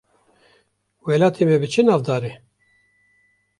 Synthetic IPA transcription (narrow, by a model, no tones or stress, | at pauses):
wɛlaːt̪ʰemɛbɨt͡ʃʰɨnɑːvd̪ɑːɾe